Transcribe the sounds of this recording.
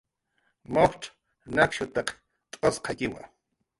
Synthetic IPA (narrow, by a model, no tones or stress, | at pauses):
moχʈ͡ʂ | nakʃʊt̪ɑq | t̪ʼosqʰɑkɪwa̰